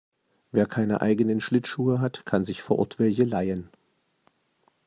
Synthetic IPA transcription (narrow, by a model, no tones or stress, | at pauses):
veːɐkʰaɪnə̰ʔa̰ɪɡənənʃlɪtʃuːəɦatkʰanzɪçfoɐʔʊ̰ɐtv̥ɛlçəlaɪən